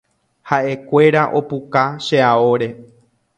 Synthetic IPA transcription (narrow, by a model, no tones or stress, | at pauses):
haʔe̞kʷe̞ɾaʔo̞pukaʃeaoɾe̞